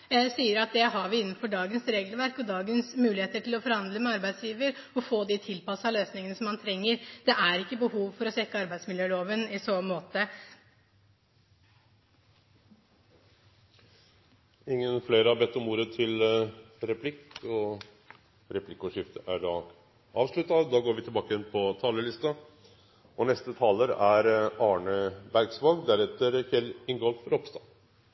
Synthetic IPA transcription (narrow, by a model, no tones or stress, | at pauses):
siːəɾɑt̪̚d̪ɛɦɑɾʋɪɪnːn̩fɔɖɑːɡənsɾeːɡəlʋæɾkɔd̪ɑːɡənsmʉːlɪheːt̪əʈʰɪlɔfɔɾhɑnd̪ləmɛɑɾbæɪsjiːʋəɾɔfoːd̪ɪt̪ʰɪlpɑsɑløːsnɪŋənəsɔmːɑnt̪ʰɾɛŋːəɾd̪̥ɛʔæɾɪkːəbəhuːʋfɔɾɔsɛkːəɑɾbæɪd̪smɪljøːloːʋənɪsoːmoːt̪ə | ɪŋːənfleːɾəɑbɛt̪ːɔmuːɾət̪ʰɪl | ɾɛpʰlɪkːɔ | ɾɛpʰlɪkːʊʂɪft̪əʔæɖɑː | ɑːʋʂɭʉt̪ːɑd̪ɑːɡoːɾʋɪt̪ɪlbɑːkəjɛnpʰɔt̪ʰɑːləlɪst̪ɑ | ɔnɛst̪ət̪ʰɑːləɾæɾɑːɳəbæɾɡsʋɑnd̪æɾɛt̪ːəɾçɛlɪŋɡɔlfɾɔpst̪ɑ